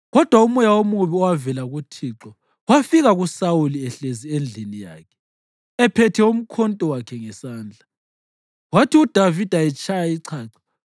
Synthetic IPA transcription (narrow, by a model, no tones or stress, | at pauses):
ɣɔd̥ʱwaumujawomuβiɔwavɛlaɣutʰiːǁɔ | wafiɣaɣusawuliɛɬeziend͡ɮʱinija̰ːkʰɛ̥ | ɛpʰɛtʰɛum̩kʰɔntʼɔwakʰɛŋɛsaːnd͡ɮʱa | watʰiud̥ʱavid̥ʱaɛt͡ʃʼʰajaiǀʰaːǀḁ